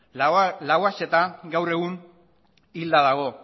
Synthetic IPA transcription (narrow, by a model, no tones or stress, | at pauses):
lawase̞t̪aɡawre̞ɣ̞un | ild̪aðaɣ̞o̞